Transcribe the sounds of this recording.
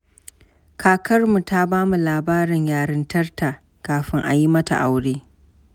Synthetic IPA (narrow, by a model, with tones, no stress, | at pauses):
kʰaː˨kʰɐ˦rmu˨ta˦baː˦mu˨laː˨baː˦ɾɪ˨ɲjaː˨ɾɪ˦ntɐ˦rta˨ | kaː˨ɸɪ˦ŋʔa̰˨ji˦mɐ˦ta̰˨ʔa˨wɽeː˦